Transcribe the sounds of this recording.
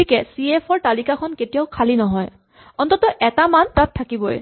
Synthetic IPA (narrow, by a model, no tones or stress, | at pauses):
ikɛsiepʰɔɹtalikakʰɔnketijaʊkʰalinɔɦɔj | ɔnt̪ɔtɔʔɛtamantatʰːakibɔj̰